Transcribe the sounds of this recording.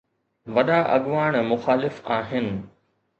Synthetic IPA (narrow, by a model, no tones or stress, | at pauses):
ʋɐɗaːʔɐɠʋaːɽ̃mʊxaːlɪfaːɦɪnɪ̆